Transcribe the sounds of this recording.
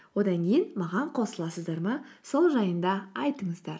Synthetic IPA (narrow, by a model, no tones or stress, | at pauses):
wo̞d̪ɑŋkʲʰejɪnmɑʁɑɴqʰo̞səlˠɑsəzd̪ɑɾmɑso̞lˠʒɑjənd̪ɑɑjt̪əɴəzd̪ɑɾ